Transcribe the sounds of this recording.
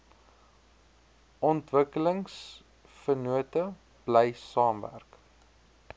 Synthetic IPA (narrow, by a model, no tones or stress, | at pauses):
ʔɔntvəkələŋs | fərnuətə | b̥ləjsɑːmvæ̰rk